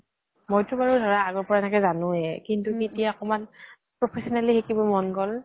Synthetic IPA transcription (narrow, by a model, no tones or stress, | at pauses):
mojtʊbaɹudʱɔɹaːɡɔɹpɔɹaɛnɛkɛzanʊ̃ɛkintukitijaɔkɔman | pɹɔpʰesɔnalixekibɔmɔnkɔl